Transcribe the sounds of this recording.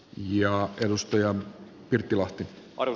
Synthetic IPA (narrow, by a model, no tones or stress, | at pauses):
jɑedust̪ɑjɑ | pirt̪ːilɑht̪in